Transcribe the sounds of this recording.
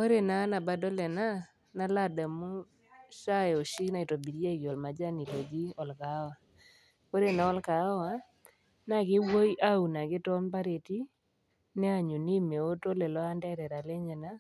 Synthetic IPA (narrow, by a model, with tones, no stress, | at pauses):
ko˦ɾe˨na˨˦na˨ba˨dɔ˦lɛ˨na˦ | na˦la˦˨da˨mu˦ | ʃa˦jɔ˨ʃi˦na˨i˨to˨bi˨ɾja˦˨ki˨ɔ˨lma˨d͡ʒa˦ni˨lo˨d͡ʒi˦ɔ˨lka˨˦wa˨ | ko˦ɾe˨na˨ɔ˦lka˨˦wa˨ | na˦˨kɪ˦wo˦jʔa˦u˨na˨kɪ˦tɔ˦mpa˦ɾe˨ti˦ | nɛ˦a˦˨ɲu˨ni˦me˨o˦to˦lɛ˨lɔ˦a˦ndɛ˦ɾɛ˨ɾa˨lɛ˦ɲɛ˨na˦